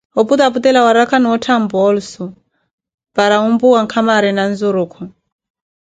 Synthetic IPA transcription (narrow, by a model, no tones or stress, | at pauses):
ɔput̪aput̪ɛlawaɾakʰaniɔtʰambɔɔlusɔ | paɾaumbuwaŋkʰamaɾɛnanzuɾuːkʰɔ